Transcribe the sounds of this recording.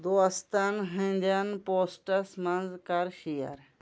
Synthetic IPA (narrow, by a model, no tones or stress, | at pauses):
d̪oɐst̪ɐnɦĩnʲd̪ɐnpoːsʈɐsmɐnzkɐɾxijɐ̰ɾ